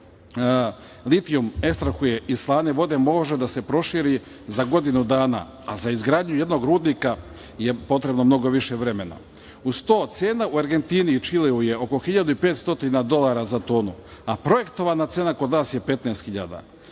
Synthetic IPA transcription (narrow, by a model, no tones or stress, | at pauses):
lit̪iumekst̪ɾaxuje̞ʔislˠaːneʋo̞d̪e̞mo̞ʒed̪ase̞pɾo̞ʃiːɾi | zaɡo̞d̪inud̪aːna̰ | azaizɡɾaːd̪ɲuje̞d̪no̞ɡɾuːd̪nika | jepo̞t̪ɾe̞bno̞mno̞ɡo̞ʋiʃe̞ʋɾe̞me̞na̰ | ust̪oːt̪seːnauaɾɡe̞nt̪init͡ʃilioje̞o̞ko̞xiʎad̪uipe̞ːt̪st̪o̞t̪inad̪o̞lˠaɾazat̪oːnuapɾo̞je̞kt̪o̞ʋanat̪seːnako̞d̪naːsje̞pe̞t̪naest̪xiʎa̰d̪a̰